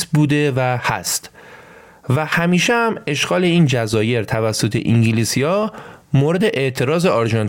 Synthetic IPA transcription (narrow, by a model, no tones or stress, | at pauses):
buːd̪e̞væhæ̰st̪ | væhæmiːʃehæme̞ʃɡ̥ɒːle̞iːnd͡ʒæzɒːje̞ɾt̪ʰævæsːo̞t̪ʰe̞̰ʔiŋɟilisijɒːmoːɾe̞d̪e̞ʔe̞ʔt̪ʰe̞ɾɒːzeɒɾʒɒn